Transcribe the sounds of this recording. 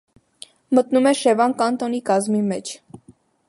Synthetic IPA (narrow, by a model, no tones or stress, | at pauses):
mət̪numɛʃɛvɑnkɑnt̪ɔnikɑzmimɛt͡ʃʰ